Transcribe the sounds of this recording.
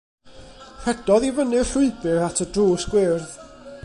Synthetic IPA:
hɛd̥ɔðivənɨɬʊɨbɨɹatʰədruːsɡwɪrð

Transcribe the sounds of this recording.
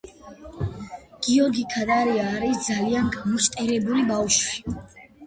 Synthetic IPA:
ɡ̥iɔɾɡikʰad̪aɾiaːɾisd̪zalianɡamɔʃt̪ʼɛɾɛbulibafʃwi

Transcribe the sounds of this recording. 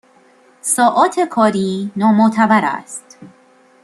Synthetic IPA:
sɒːʔɒːt̪ʰe̞kʰɒːɾiːnɒːmot̪ʰævæɾæ̰st̪

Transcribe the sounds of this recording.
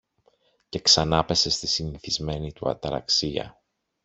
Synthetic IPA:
ce̞ksɐnɐpe̞se̞st̪isiniθizme̞nit̪uɐ̰t̪ɐɾɐ̰ksiɐ̰

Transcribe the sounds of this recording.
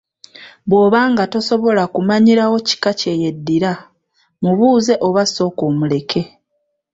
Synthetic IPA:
βwo̞ːβaːŋɡato̞so̞βo̞lakumaɲiɾawo̞ci̥kace̞jedːiɾa | muβuːze̞ʔo̞βaso̞ːko̞ːmule̞kʰe̞

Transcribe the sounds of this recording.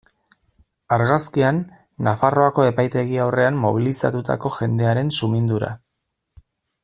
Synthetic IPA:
aɾɣaskianː | afaro̞ako̞e̞pajt̪e̞ɣ̞iawre̞anːo̞β̞ilisa̰t̪ut̪a̰ko̞ʝe̞nd̪e̞aɾe̞nsumind̪uɾa̰

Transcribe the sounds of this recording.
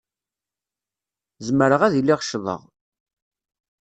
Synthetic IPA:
zməɾəʁæðilːiʁʃðˤə̰ʁ

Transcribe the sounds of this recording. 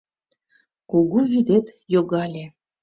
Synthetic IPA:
kuɣuβid̪et̪joɣɑlʲe

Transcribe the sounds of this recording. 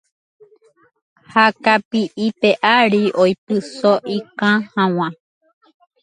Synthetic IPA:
hakapiʔipeʔaɾiʔojpɨsoʔikãhãw̃ã

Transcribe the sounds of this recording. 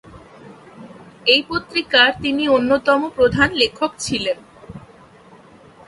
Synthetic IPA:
ejpot̪ːɾikaɾt̪inionːot̪ɔmopɾod̪ʱanlekʰːokt͡ɕʰilen

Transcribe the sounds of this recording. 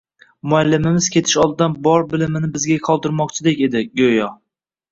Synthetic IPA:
mʊalːɪmɪmɪz̥kʲʰe̞t̪ʰɪʃɒlˠd̪ɪd̪anbɒɾbɪlɪmɪnɪbɪzɡʲaqʰɒlˠd̪ɪɾmɒq̚t͡ʃʰɪd̪ekʲe̞d̪ɪɡʲojɒ

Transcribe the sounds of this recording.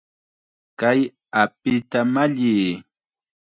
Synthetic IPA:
kaj | ap̚ɪt̪amaʎiː

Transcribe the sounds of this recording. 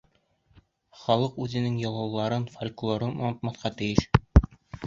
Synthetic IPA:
χɒlˠɤqʉzɘ̆nɘŋjɒlˠɑwlˠɑɾɤnfolʲklˠoɾɤnɒnɤ̆t̪mɑθqɑt̪ɘ̆jɘʃ

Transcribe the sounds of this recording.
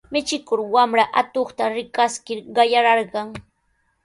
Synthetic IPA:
mɪt͡ʃɪkʊɾwamɾaʔat̪oχt̪aɾɪkaskɪɾɢɑjaɾɑɾɢɑŋ

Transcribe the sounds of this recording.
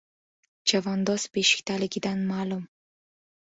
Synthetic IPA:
d͡ʒavɒnd̪ɒzbeʃɪ̥kʲt̪ʰalɪɡʲɪd̪anmaːlum

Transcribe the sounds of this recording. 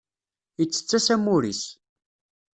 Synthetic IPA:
ət͡sːə̥t͡sːæsæmuɾis

